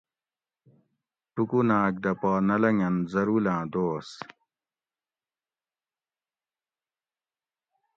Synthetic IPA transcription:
ʈukunaːk̚d̪ɐpaːnɐlɐŋɐnzɐɾulãːd̪oːs

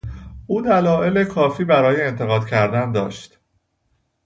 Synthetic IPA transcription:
ʔuːd̪ælɒːʔe̞le̞kʰɒːfiːbæɾɒːje̞ːnt̪ʰe̞ɣɒːd̪̥cʰæɾd̪ænd̪ɒ̰ːʃt̪

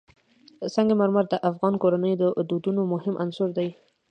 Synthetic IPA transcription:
saŋɡemaɾmaɾd̪əʔafɣɑnkoɾanəjd̪əd̪ud̪unomʊhɪmʔansʊɾd̪aj

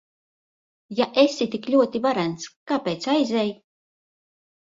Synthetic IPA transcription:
jaʔesʲit̪iklʲuɔt̪ivaɾænt̪skaːpejt̪sajzʲɛj

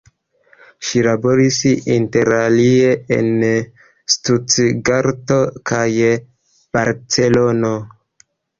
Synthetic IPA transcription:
ʃilabo̞ɾisinte̞ɾalie̞ḛn | stut͡sɡaɾto̞kʰaj | b̥aɾt͡se̞lono

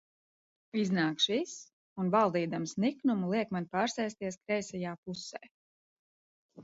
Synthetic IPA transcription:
iznaːkʃvis | unvalˠd̪iːd̪amsniknumulˠiɛkmanpaːɾsɛjst̪iɛskɾɛjsɛjaːpusɛ̰ː

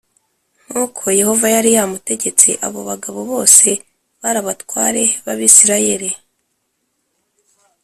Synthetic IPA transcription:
ŋ̥ukʰo̞je̞ho̞vajaɾijamute̞ɟe̞t͡sḛʔa̰βo̞̰βaɡaβo̞βo̞ːse̞ | βaɾaβatwaːɾe̞βaβisiɾaje̞ɾe

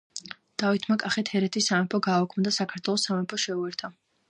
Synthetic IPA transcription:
d̪̥avit̪ʰmakʼaχɛt̪hɛɾɛt̪ʰisːamɛpʰɔɡaːɔkʰmd̪asakʰaɾt̪ʰwɛlˠɔsːamɛpʰɔʃɛuɛɾt̪ʰa

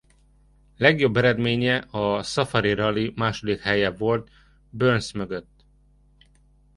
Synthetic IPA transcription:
lɛɡjo̞bːɛɾɛd̪meːɲɛʔɒsɒfɒɾiɾɒlimaːʃo̞d̪ikhɛjɛvo̞lt̪ | bønsmøɡøt̪ː

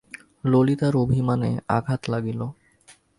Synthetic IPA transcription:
lolit̪aɾobʱimanḛa̰ɡʱat̪laɡilo

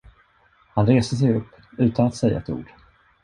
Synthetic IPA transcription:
hanɾeːst̪əs̬ɛjɵpːʉ̟ːt̪anat̪sɛjːa̰ɛt̪ṵːɖ̥

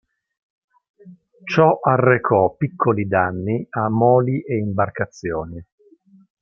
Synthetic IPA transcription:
t͡ʃɔʔarːekʰɔpːikʰːolid̪anːiamːɔːliʔeimbarkat̪sːjoːni

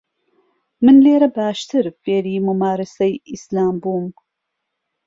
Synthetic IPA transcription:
mɨnleːɾɐbaːʃt̪ʰɨɾfeːɾiːmumaːɾɨsɐjislaːmbuːm

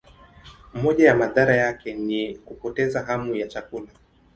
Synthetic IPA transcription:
mɔʄajamaðaɾajakɛnikupɔtɛzaɦamujat͡ʃakula

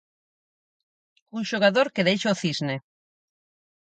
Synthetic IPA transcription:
unʃoɣ̞aðoɾkeðejʃooθizne

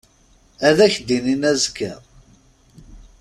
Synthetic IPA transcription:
æðæçd̪ininæzkːə̰

